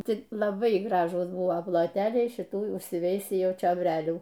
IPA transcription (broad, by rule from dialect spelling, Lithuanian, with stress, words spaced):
ˈtʲɪ lˠɐˈbɐɪ ˈɡrɑːʒuːs ˈbʊʋoː plˠoːˈtʲæːlʲɛɪ ʃʲɪˈtuː ʊʃʲsʲɪˈʋʲɛɪsʲiː ˈjɛʊ t͡ʃʲoːbʲˈrʲæːlʲuː